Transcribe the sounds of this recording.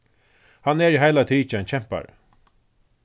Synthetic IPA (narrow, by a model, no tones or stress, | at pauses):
hanɛɹiɦajlat̪ʰiːt͡ʃant͡ɕʰɛm̥pa̰ɹ